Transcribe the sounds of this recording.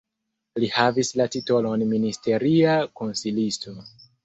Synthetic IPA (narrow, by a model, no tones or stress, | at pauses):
lihavislatito̞lo̞nministe̞ɾiako̞nsilisto̞